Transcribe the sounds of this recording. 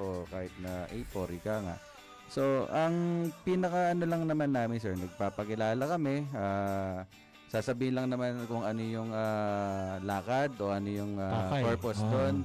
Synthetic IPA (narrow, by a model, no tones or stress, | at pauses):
ʔokaːhɪt̪̚nɐʔɐjpoːɾikaŋa̰ʔ | so̞ʔɐŋpinɐkɐʔɐnolɐŋnɐmanːaːmɪnsɛɹnɐɡ̚paːpɐkɪlaːlɐkɐmɛʔaː | saːsɐbiːhɪnlɐŋnɐmankʊŋɐno̞jʊŋa | laːkɐd̪ʔo̞ʔɐnojʊŋaoɹposd̪on